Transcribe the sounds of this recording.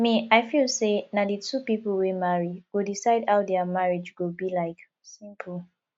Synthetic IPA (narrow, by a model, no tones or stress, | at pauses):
mĩaɪfilˠsenadətupipl̩ˠwemaɹiɡodisaɪdhaʊdɛəmaɹid͡ʒɡobilaɪk | sĩmp̩ʰ